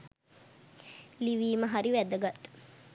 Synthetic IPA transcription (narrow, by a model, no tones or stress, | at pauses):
liʋiːməɦaɾiʋæd̪əɡat̪